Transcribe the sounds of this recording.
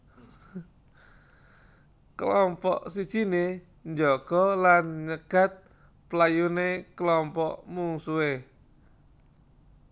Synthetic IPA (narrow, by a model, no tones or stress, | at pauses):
kəlɔmpɔʔsit͡ʃine | ɲd͡ʒɔkɔlanːɲəkat̪̚ | pəlajunekəlɔmpɔʔmuŋsue